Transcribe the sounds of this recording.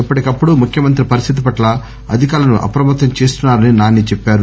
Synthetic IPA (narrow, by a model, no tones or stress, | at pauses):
ipːɐʈikɐpːuɽumukʰjɐmɐnt̪ɾipɐɾist̪ʰit̪̬ipɐʈlɐ | ɐ̰d̪ʱikaːlɐnuʔɐ̰pɾɐmɐt̪ːɐmt͡ʃeːst̪unːaːɾɐninaːnit͡ʃɛpːaːɾu